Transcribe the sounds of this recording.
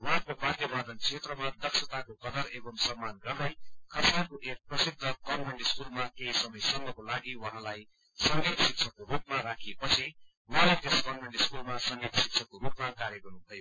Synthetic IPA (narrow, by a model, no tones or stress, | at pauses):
wʌɦãkobad̪jʌbad̪ʌnt͡sʰet̪rʌmad̪ʌksʰʌt̪akokʌd̪ʌɾebʌmsʌmːanɡʌrd̪ʌjkʰʌrsnakoʔek̚prʌsid̪ʱːʌkʌnmeɳɖiskulmakeisʌmʌjsʌmɡʌkolaɡiwʌ̃ɦãlaj | sʌŋɡet̪sik̚t͡sʰʌkoɾupmaɾakʰepʌt͡sʰi | wʌɦãlet̪eskʌnmeɳɖiskulmasʌŋɡet̪sik̚t͡sʰʌkoɾupmakaɾjʌɡʌrnut̪ʰʌjo